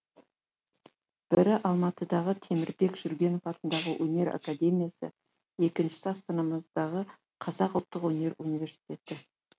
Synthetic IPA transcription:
b̥ɪɾɪʔɑlˠmɑt̪əd̪ɑʁət̪ʰe̞mɪɾbe̞kʒ̥ʏɾɡʲe̞no̞fɑt̪ənd̪ɑʁəwʔɵne̞ɾa̰kad̪e̞mʲijasə̰ | e̞kʲɪnʃɪ̥sɪɑst̪ɑnɑməzd̪ɑʁə | qʰɑzɑqʊlˠt̪ːəqwɵne̞ɾunijvʲe̞ɾsi̥t̪ʲe̞t̪ɪ

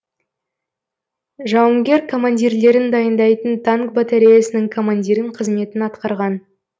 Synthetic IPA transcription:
ʒɑwəŋɡʲe̞ɾkʰo̞manʲd̪ʲiɾle̞ɾɪnd̪ɑjənd̪ɑjt̪ənt̪ʰaŋkbot̪aɾʲejasənɪŋkʰo̞manʲd̪ʲiɾɪɴqʰəzme̞t̪ɪnɑt̪qɑɾʁɑn

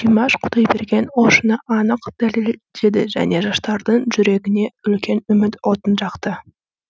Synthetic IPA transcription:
ijmɑʃqʰʊd̪ɑjbe̞ɾɡʲe̞nwoʃənəʔɑnəqd̪̥æle̞ld̪̥e̞d̪ɪʒæ̰ne̞ʒɑʃt̪ɑɾd̪əɴʒʏɾe̞ɡʲɪne̞ʏlkʲʰe̞nʏmɪt̪wo̞t̪ənʒɑqt̪ə

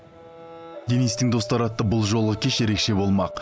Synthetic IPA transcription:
d̪enijst̪ɪŋd̪o̞st̪ɑɾɑt̪ːəbʊlˠʒo̞lˠʁəkʲʰeʃe̞ɾe̞kʃe̞bo̞lˠmɑq

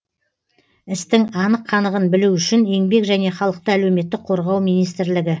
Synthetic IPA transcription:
ɪst̪ɪŋɑnəqʰːɑnəʁənbɪluʏʃɪne̞ŋbe̞kʒæne̞χɑlˠəq̚t̪əælewme̞t̪ːɪk̚qʰo̞ɾʁɑwmijnijst̪ɪɾlɪɡʲɪ

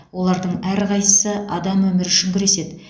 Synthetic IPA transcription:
wo̞lˠɑɾd̪əɴæɾqɑjsəsəɑd̪ɑmwɵmɪɾɪʃʏŋɡʲɪɾe̞se̞d̪ɪ

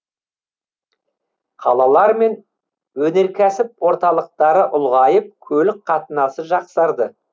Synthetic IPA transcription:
qʰɑlˠɑlˠɑɾme̞n | wɵne̞ɾkʲʰæsɪpwo̞ɾt̪ɑlˠəq̚t̪ɑɾəʔʊlˠʁɑjəp̚kʲʰɵlɪk̚qʰɑt̪ənɑsəʒɑqsɑɾd̪ə

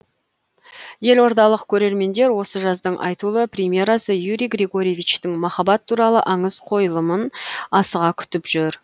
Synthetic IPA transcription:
je̞lo̞ɾd̪ɑlˠəqkʲʰɵɾe̞ɾme̞nd̪e̞ɾwo̞səʒɑzd̪əɴʔɑ̰jt̪ulˠəpɾʲemʲje̞ɾɑsəjuɾijɡrʲe̞ɡo̞ɾʲievijt͡ʃt̪ɪŋmɑχɑbɑt̪ʰːuɾɑlˠə̰ʔɑɴəz̥qʰo̞jəlˠəmənɑsəʁɑkʲʰʏ̥t̪ɪpʒ̥ʏɾ

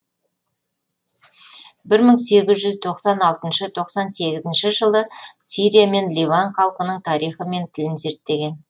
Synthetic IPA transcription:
bɪɾməɴse̞ɡʲɪzʒʏzt̪ʰo̞qsɑnɑlˠt̪ənʃət̪ʰo̞qsɑnse̞ɡʲɪzɪnʃɪʒəlˠəsʲiɾʲijame̞nlʲivanχɑlˠqənəɴt̪ʰɑɾijχəme̞nt̪ʰɪlɪnze̞ɾt̪ːe̞ɡʲe̞n

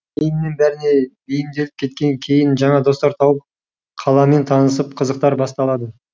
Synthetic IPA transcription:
ejɪmne̞nbæɾɪne̞bejɪmd̪e̞lɪp̚kʲʰe̞t̪̚kʲe̞ŋkʲʰe̞jɪnʒɑɴɑd̪o̞st̪ɑɾt̪ʰɑwəp̚ | qʰɑlˠɑme̞nt̪ʰɑnəs̬əpqʰəzəq̚t̪ɑɾbɑst̪ɑlˠɑd̪ə

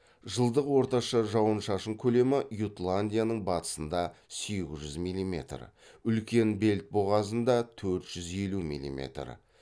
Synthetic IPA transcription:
ʒəlˠd̪əqwo̞ɾt̪ɑʃɑʒɑwənʃɑʃəɴkʲʰɵle̞mɪjut̪lˠanʲd̪ʲijanəɴbɑt̪ə̥sənd̪ɑseɡʲɪzʒʏzmijlʲˠimʲe̞̰t̪rə̰ʏlkʲe̞nbe̞lt̪̚boʁɑzənd̪ɑt̪ʰɵɾt̪ʒ̥ʏze̞lumḭlʲˠḭmʲḛt̪r̰

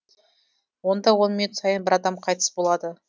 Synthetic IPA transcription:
wo̞nd̪ɑwo̞nmʏnut̪sɑjənbɪɾɑd̪ɑmqʰɑjt̪ə̥sbo̞lˠɑd̪ə

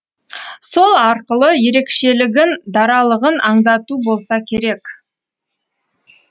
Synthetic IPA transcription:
so̞lˠɑɾqəlˠəje̞ɾe̞kʃe̞lɪɡʲɪnd̪ɑɾɑlˠəʁənʔɑɴd̪ɑt̪ubo̞lˠsɑkʲʰe̞ɾe̞k

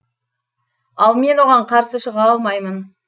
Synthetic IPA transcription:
ɑlˠme̞nwo̞ʁɑɴqʰɑɾsəʃəʁɑɑlˠmɑjmən

